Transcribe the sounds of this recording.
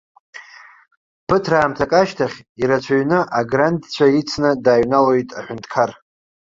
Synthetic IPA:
pʰɨtʰraːmtʰakʼaʃtʰaχʲiɾat͡ʃʷʰaɥnɨʔaɡrandt͡ɕʷʰait͡sʰnɨdaːɥnalojtʼaħʷᶣʊntʰkʰar

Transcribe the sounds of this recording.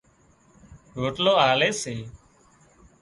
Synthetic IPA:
ɦoːʈloːaːleːseː

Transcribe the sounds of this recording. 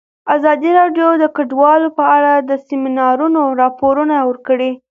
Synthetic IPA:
azɑd̪iɾɑɖjod̪əkaɖwɑlopəaɽad̪əsiminɑɾunoɾɑpoɾunawəɾkəɽi

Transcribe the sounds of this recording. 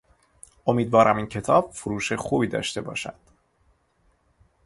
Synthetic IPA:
ʔo̞miːd̪vɒːɾʔæmiːncʰe̞t̪ʰɒːb̥foɾuːʃexuːbiːd̪ɒ̰ːʃt̪e̞bɒ̰ːʃæ̰d̪̥

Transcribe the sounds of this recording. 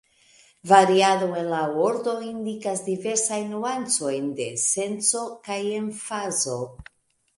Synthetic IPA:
vaɾiado̞e̞nlaoɾd̪o̞ind̪ikazd̪ive̞ɾsajnːuant͡so̞jnd̪e̞se̞nt͡so̞kajeɱfazo̞

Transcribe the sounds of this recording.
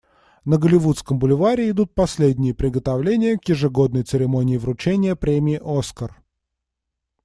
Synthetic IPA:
nəɡəlʲɪvut̪skəmbʊlʲɪvaɾʲɪɪd̪ut̪̚pɐsʲlʲed̪ʲnʲɪjəpɾʲɪɡət̪ɐvlʲenʲɪjəkjɪʐɨɡo̞d̪̚nəjt̪sɨɾʲɪmo̞nʲɪːvɾʊt͡ɕenʲɪjəpɾʲemʲɪːʔo̞skər

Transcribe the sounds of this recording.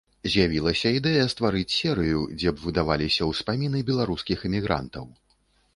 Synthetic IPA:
zʲjavʲilˠɐsʲɐid̪ɛjɐst̪vaɾɨt͡sʲsʲɛɾɨjud͡zʲɛbvɨd̪avalʲisʲɐwspamʲinɨbʲɛlˠaɾuskʲixɨmʲiɣɾa̰nt̪ɐ̰w

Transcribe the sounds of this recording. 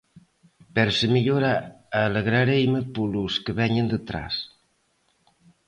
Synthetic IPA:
pɛɾsəmiʎoɾaaləɣɾaɾejməpoluskəβɛɲənd̪ət̪ɾa̰s

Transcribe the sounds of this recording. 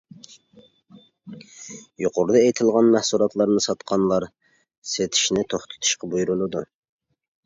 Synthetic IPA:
joqʰoɾɨd̪ɑejt̪ʰɪlˠʁɑnmæhsulˠɑt̪lˠɑɾnɨsɑt̪qʰɑnlˠɑɾ | set̪ʰɪ̥ʃnɪt̪ʰoχt̪ʰɨ̥t̪ʰu̥ʃqɑbujuɾulˠɨd̪u

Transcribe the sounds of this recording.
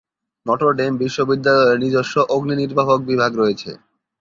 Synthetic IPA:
nɔʈoɾɖembiʃːobid̪ːalɔeɾnid͡ʑoʃːoʔoɡniniɾbaɦok̚bibʱaɡɾojet͡ɕʰḛ

